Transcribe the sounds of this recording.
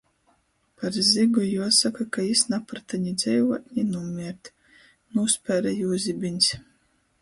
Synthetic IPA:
paɾziɡujuɔsakakajisnapɾt̪aɲid̪zɛjvɔt̪ʲnʲinumʲiɛɾt̪ | nuspʲæɾajuːzʲibʲinʲsʲ

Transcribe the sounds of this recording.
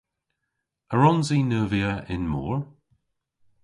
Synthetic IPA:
əɹɔnziːnəːviəʔɪ̰nmɔ̰ːɹ

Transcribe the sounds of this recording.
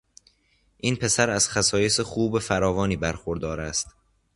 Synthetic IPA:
ʔinpʰe̞sæɾæz̥xæsɒːjesexuːbefæɾɒːvɒːniːbæɾxoɾd̪ɒːɾæst̪

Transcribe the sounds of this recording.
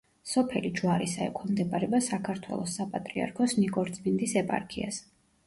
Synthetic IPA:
sɔpʰɛlid͡ʒwaɾisaɛ̰kʰamd̪ɛbʼaɾɛbasakʰaɾt̪ʰwɛ̰lˠɔsːapʼat̪ʼɾia̰ɾkʰɔsnikʼɔɾt̪sʼmind̪isɛpʼa̰ɾkʰia̰s

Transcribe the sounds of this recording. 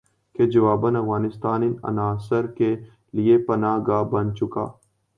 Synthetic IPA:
ked͡ʒɐʋaːbənɐfɣaːnɪst̪aːnɪnɐ̰naːsəɾke | liepɐnaːɡaːbɐnt͡ʃʊka̰ː

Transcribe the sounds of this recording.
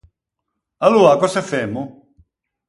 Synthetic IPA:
aluakɔsafemːu

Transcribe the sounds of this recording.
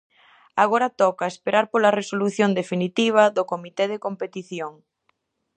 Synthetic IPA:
aɣ̞oɾɐt̪ɔkaespeɾaɾpolɐresoluθjond̪efinit̪iβ̞ɐðokomit̪eð̞ekompet̪iθjoŋ

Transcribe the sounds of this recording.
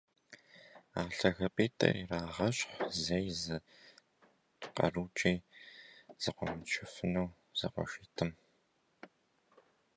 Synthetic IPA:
aːɬɐxɐpʼeːtʰʼɐ̰iraːʁɐɕʼħʷzɐjzɨ | tqɐ̰ruːt͡ʃʼiː | z̥ɨqʷɔmɨt͡ʃʰɪfɨnɐw | z̥ɐ̰qʷɔ̰ʃɪtʰɨm

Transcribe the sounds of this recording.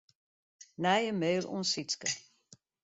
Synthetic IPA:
næjəmeːlɔ̰nsitskə

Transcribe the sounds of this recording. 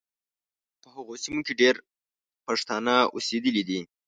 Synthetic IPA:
pəhaɣosimokeɖeɾ | paʂt̪ɑnaṵsed̪əlid̪i

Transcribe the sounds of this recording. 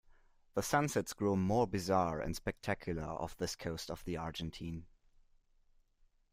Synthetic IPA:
ðəsãnsɛtsɡ̥ɹumɔɹbɨzaɹɨ̰̃nspɛk̚tʰækʰjʊl̩ˠə̰˞ʌ̰fðɪskʰoʊstʌvðiɑɹd͡ʒɨ̃ntʰĩːn

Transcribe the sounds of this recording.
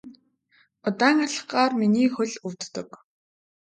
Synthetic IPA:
ʊt̪æːŋaɮə̆χɢaːrminiːxɵɮɵwt̪ːɵ̆k

